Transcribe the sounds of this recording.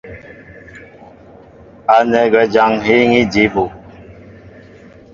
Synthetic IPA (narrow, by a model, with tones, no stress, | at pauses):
a˨nɛ˨ɡwɛ˨d͡ʒa˨˦ŋɦi˦ŋi˦d͡ʒi˨˦bu˨